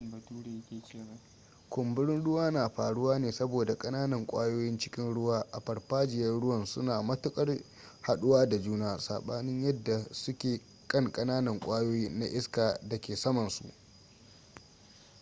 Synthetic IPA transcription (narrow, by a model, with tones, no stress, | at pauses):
ɐ˨tuː˦ɽe˨˦kʲeː˨t͡ʃeː˦˨wa˦ | kʷʊ˨mbɪ˦ɽɪ˦nɽʊ˦waː˦naː˨ɸaː˨ɽʊ˦waː˦neː˨sɐ˦boː˨da˨kʼɐ˦naː˦nɐ˨ŋkʷʼa̰ː˦joː˦jɪ˦nt͡ʃɪ̥˦kʲɪ˦nɽʊ˦waː˦ʔa˨ɸɐ˨rɸaː˦d͡ʒɪ˨jɐ˦rɽʊ˦wɐ˦˨nsʊ˦naː˨mɐ˦tʊ˦kʼɐ˦r | ha˨ɗʊ˦waː˦da˨d͡ʒuː˦naː˦sa̰ː˨ɓaː˦nɪ˦ɲjɐ˦dːa˨sʊ˦kʲeː˨ | kʼɐ˦˨ŋkʼɐ˦naː˦nɐ˨ŋkʷʼaː˦joː˦jiː˦na̰˦ʔɪ˦skaː˨da˨kʲeː˨sɐ˦mɐ˨nsṵ˨ʔ